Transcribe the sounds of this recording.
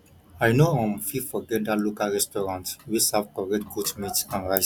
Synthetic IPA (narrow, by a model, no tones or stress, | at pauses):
ajnoɔ̃mfifɔɡɛtdalukaɹɛstɔɹãntwisavkɔɹɛtɡutmitãnɹajs